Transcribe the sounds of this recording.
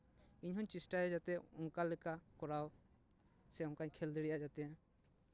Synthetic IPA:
iɲɦɔɲt͡ʃisʈajɛd͡ʒat̪ɛɔŋkalɛkakɔɾaw | sɛɔŋkaɲkʰɛld̪iɽijad͡ʒat̪ɛ

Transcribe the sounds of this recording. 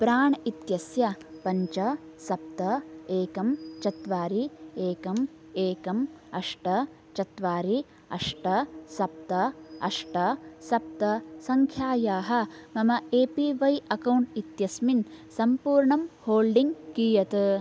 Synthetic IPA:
pɾaːɳit̪jɐsjɐpɐɲt͡ʃɐ | sɐp̚t̪ɐeːkɐmt͡ʃɐt̪ʋaːɾieːkɐm | eːkɐmɐʂʈɐ | t͡ʃɐt̪ʋaːɾi | ɐ̰ʂʈɐsɐp̚t̪ɐɐ̰ʂʈɐsɐp̚t̪ɐsɐŋkʰjaːjaːɦɐ̆mɐmɐeːpiʋɐjɐkɐwɳʈit̪jɐsminsɐmpuːɾɳɐmhoːlɖiŋɡkiːjɐt̪ɐ

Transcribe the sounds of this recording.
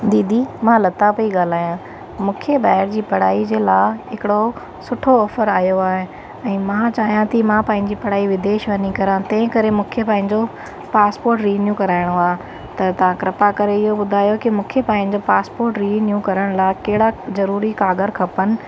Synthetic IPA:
d̪iːd̪ʱimãːlɐt̪apɐiɠaːl̤aːjã | mũːkʰebaːɪɾd͡ʑiːpɐɽ̤aːid͡ʑeːlaːɦɪkɪɽo | sʊʈʰoɔːfəɾaːjoaːɦe | ɛ̃ːmãt͡ɕaːɦijãt̪ʰimãpɐ̃ɦɪ̃ɲd͡ʑiːpɐɽ̤aːiʋɪd̪eːʃʋɐnikɐɾãt̪ɐ̃ɦɪ̃kɐɾemũːkʰepãːɪ̃ɲd͡ʑo | paːspoːɾʈɾiːnjũkɐɾaːɪɽ̃oaːɦ | t̪ɐt̪ɐʋ̤ãkɾɪpakɐɾeɪɦobʊd̪ʱaːjokɪmũːkʰepãːɦɪ̃ɲd͡ʑopaːspoːɾʈɾiːnjũkɐɾəɽ̃laːkɐɦɪɽazɐɾuːɾikaːɡəɾkʰɐpənɪ̆

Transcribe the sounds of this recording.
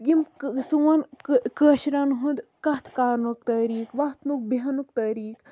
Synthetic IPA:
jimsuʋɐnkkəːʃɾɐnɦund̪kɐt̪ʰkaːɾnukt̪ɐɾiːkʋɐt̪nuk̚bɐnukt̪ɐɾiːk

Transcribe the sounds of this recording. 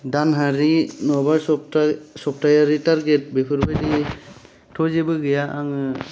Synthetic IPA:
danɦaɾinɔba | sɔp̚tajaɾitaɾɡet̚bipʰɯɾbajdi | tʰɔzebɯɡɯjaʔaŋɯ

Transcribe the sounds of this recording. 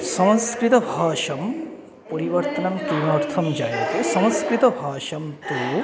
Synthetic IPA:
sɐw̃skɾit̪ɐbʱaːʃɐm | poɾiʋɐɾt̪ɐnɐmk̪imaːɾt̪ʰɐmd͡ʒaːjt̪esɐw̃ɐ̃skɾit̪ɐbʱaːʃɐmt̪u

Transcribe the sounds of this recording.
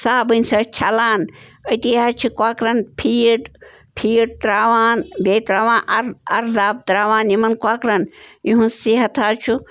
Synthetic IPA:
saːbɨnʲsɐt͡ʃʰalaːnət̪iɦaːt͡ʃʰikwaːkɾɐnpʰijʈ | pʰijiʈ̚t̪ɾaːʋaːnbeːt̪ɾaːʋaːnʔɐɾɐɾd̪aːb̚t̪ɾaːʋaːnimɐnkwaːkɾɐnjiɦũsiɦɐt̪ʰaːt͡ʃʰu

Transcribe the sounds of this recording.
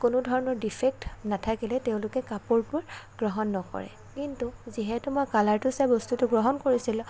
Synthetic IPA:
kʊnʊdʱɔɹɔnɔɹdipʰɛk̚tnatʰakilɛteʊ̃lʊkɛkapɔɹpʊɹɡ̥ɹɔɦɔnːɔkɔ̰ɹɛ̰ | kintuziɦɛtʊmɔjkalaɹtʊsajbɔstutʊɡɹɔɦɔnkoɹisilʊ̃

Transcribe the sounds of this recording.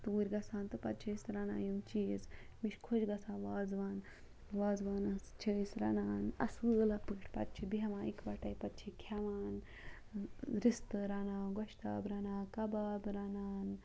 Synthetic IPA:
t̪uːɾʲɡɐsaːnt̪ɨpɐt̪̚t͡ʃʰɐsɾana̰ːjimt͡ʃiːzmiʃkʰod͡ʒɡɐsãːʋaːd͡zʋaːn | ʋaːd͡zʋaːnɐst͡ʃʰəjsɾa̰naːnɐ̰sɨlɐpɨʈʰpɐ̰t̪̚t͡ʃʰibiɦɐʋãːikʋɐʈajpɐt̪̚t͡ʃʰikʰaʋaːn | ɾist̪əɾanaːɡɔʃt̪a̰ːbɾɐnaːkɐbaːbɾanaːn

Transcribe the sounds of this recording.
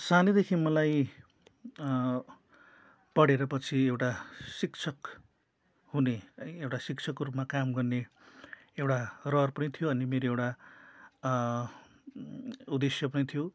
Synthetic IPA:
sanid̪ekʰimʌlaj | pʌɽeɾʌpʌt͡sʰiewʈasikt͡sʰʌk | huneewʈasik̚t͡sʰʌkːoɾupmakamɡʌrne | ewʈarʌrpʌnit̪ʰijoʌnimeɾoewʈa | ud̪esjʌpʌnit̪ʰjo

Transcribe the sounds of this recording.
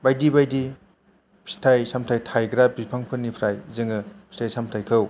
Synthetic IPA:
bajdibajdi | bi̥stʰajsamtʰajtʰajɡɾabipʰaŋpʰɯnipʰɾajzɯŋɐbʰistʰajsamtʰajkʰɐw

